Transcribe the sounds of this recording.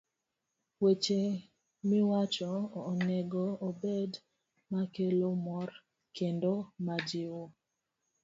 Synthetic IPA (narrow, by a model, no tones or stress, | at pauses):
wet͡ʃe | mɪwat͡ʃɔnɛɡɔːbed | makelomɔr | kendomad͡ʒɪwo